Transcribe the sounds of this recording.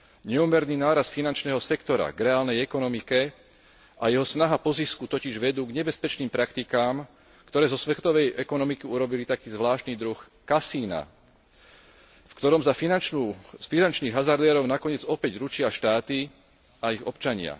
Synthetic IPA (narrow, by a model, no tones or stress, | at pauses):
ɲɛumɛɾniːnaːɾasfinant͡ʃnɛːɦɔsɛkt̪ɔɾa̰ɡɾɛaːlnɛjɛkɔnɔmikɛ | ʔajɛɦɔsnaɦapɔziskut̪ɔciʒʋɛd̪uːɡɲɛbɛspɛt͡ʃniːmpɾakt̪ikaːm | kt̪ɔɾɛːzɔsʋɛt̪ɔʋɛjʔɛkɔnɔmikiuɾɔbilit̪akiːzʋlaːʃt̪niːd̪ɾux | kasiːna̰ | fkt̪ɔɾɔmzafinanufinant͡ʃniːɣɦazaɾd̪ɛːɾɔʊnakɔɲɪɛd͡zɔpɛɟɾut͡ʃɪaʃt̪aːt̪i | aiɣɔ̰pt͡ʃaɲɪa̰